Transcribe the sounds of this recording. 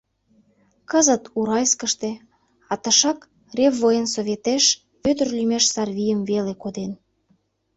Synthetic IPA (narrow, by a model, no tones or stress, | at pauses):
kəzə̆t̪uɾɑjskəʃt̪e | ɑt̪ə̆ʃɑk | revːojənsoβʲet̪eʃ | βød̪ə̆rlʲymeʃsɑrβʲijəmvelekod̪en